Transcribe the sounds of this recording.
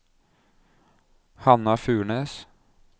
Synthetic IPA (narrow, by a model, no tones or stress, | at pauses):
hɑnɑfʉːɳeːs